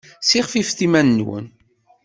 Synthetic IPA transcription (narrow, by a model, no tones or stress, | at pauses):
siʁfifθimænːwə̰n